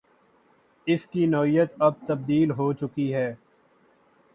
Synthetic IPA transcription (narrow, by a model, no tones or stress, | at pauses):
ɪskinɔːijət̪ɐb̚t̪ɐb̚d̪iːlɦoːt͡ʃʊkiɦɛː